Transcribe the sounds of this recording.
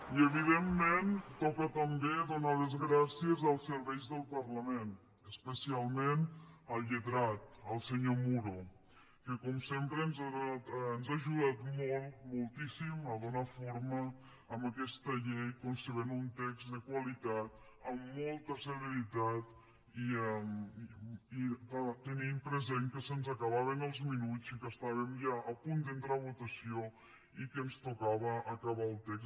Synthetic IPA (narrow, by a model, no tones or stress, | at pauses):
iəβiðemːent̪ɔkət̪əmbeðonaðəzɣɾasiəzəlˠsəɾβɛjzðəlˠpəɾləmen | əspəsialˠmenəlˠʎəðɾat̪̚əlˠsəɲomuɾo | kəkɔmsempɾənzaat̪ənzaʒuðat̪mɔlˠmolˠt̪isiməðonafoɾməː | mbəkɛst̪əʎejkunsəβenunt̪ɛkzd̪əkwəlit̪at̪ | əmːɔlˠt̪əsələɾit̪at̪ | iəm | iət̪ənimpɾəzeŋkəsənzəkəβ̞aβənəlˠzminut͡sikəst̪aβəmʒaʔəpund̪ənt̪ɾaβut̪əsio | ikənst̪ukaβəːkəβaəlˠt̪ɛks